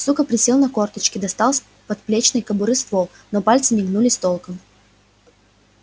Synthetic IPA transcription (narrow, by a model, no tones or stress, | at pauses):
sukəpɾʲɪsʲelˠnɐkort̪ət͡ɕkʲɪd̪ɐst̪alˠsʲ | pɐt̪̚plʲet͡ɕnɨjkəbʊɾɨst̪vo | nopalʲt̪sɨnʲɪɡnulʲɪsʲt̪olˠkəm